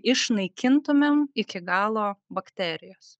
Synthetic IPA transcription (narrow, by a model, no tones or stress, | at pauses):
ɪʃnɐɪkʲɪnt̪ʊmʲɛmɪkʲɪɡɑːlˠoːbɐkt̪ʲæːɾʲɪjoːs